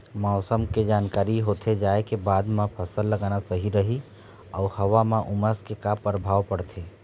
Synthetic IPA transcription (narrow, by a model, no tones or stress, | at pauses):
mɔːsəmked͡ʒaːnkaːɾiɦot̪ʰed͡ʒaːekebaːd̪mãpʰəsəlːəɡaːnasəɦiɾəɦi | ɔʊhəʋamãʔʊməskekapəɾbʱaːʋpəɽt̪ʰe